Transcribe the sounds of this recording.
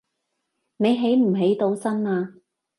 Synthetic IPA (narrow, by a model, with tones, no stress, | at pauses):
ne˨˧jɦe˨˥jm̩˨˩ɦe˨˥jt̪o˨˧wsɐ˥naː˧